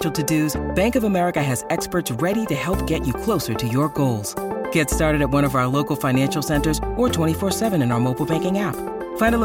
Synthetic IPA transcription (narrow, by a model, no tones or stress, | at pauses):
l̩ˠtʰɨdʉzb̥æ̃ŋkʌvəmɛɹɨkɨɨzɛkspə˞tsɹɛɾiɾɨhɛlˠp̚ɡ̥ɛt͡ʃɨkʰl̥oʊsə˞ɾɨjə˞ɡoʊlˠz̥ɡ̥ɛtstɑɹɾɨɾɨt̚wʌ̃ɾ̃ʌvaʊə˞loʊkl̩ˠfãɪ̃næ̃nʃl̩ˠsɛ̃ntə˞zʔə˞tʰw̥ɛ̃ɾ̃ifɔɹsɛvɨ̃ñɨ̃naʊə˞moʊpl̩ˠbæ̃ŋkɪ̃ŋæp | fãɪ̃ndə